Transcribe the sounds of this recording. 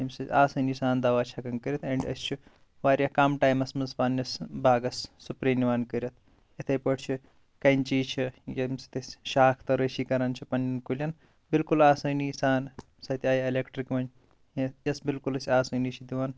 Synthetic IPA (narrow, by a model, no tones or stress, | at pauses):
jɐmsɐtaːsɐniːsaːnd̪ɐʋaːt͡ʃʰɐkɐnkəɾʲɐt̪ʰeɳɖɐ̰sʲt͡ʃʰi | ʋaːɾʲjɐkaːmʈaːjmɐsmɐnzpaːnɐsbaːɡɐsːupɾeːniʋaːnkəɾʲjɐt̪̚ʰ | jɐt̪ʰɐjpɐʈʰt͡ʃʰi | kɐnʲt͡ʃiːt͡ʃʰijɐmsi̥t̪ʰɐsʃaːkʰt̪ɐɾəsiːkɐɾɐnt͡ʃʰipɐnjɐnkulʲjɐn | bilkulaːsɐːnisaːn | sɐt̪ʰʲaːjelekʈɾikmɐn | jɐsbilkulɐsʲaːsəːnit͡ʃʰid̪iʋaːn